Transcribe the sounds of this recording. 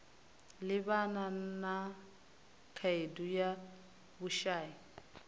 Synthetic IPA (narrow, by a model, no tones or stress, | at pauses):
lɪbanana | kʰaeduja | bʊʃaːi